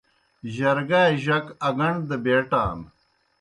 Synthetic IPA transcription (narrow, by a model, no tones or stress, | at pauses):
ʑɐɾɡaːʑɐkɐɡɐɳɖd̪ɐbeːʈa̰ːm